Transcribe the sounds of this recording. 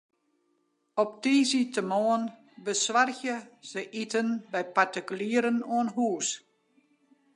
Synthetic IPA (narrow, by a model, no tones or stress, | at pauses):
ɔp̚tiːzitʰəmɔən | bəsʋarçjəsəʔitənbɛjpartikyliəɾənɔənɦuːs